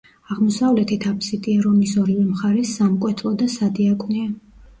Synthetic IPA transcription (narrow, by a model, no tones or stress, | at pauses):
aʁmɔsavlɛt̪ʰit̪ʰapʰsit̪ʼiɛɾɔnisɔɾivɛmχaɾɛsːamkʼwɛt̪ʰlˠɔd̪asad̪iakʼnɛa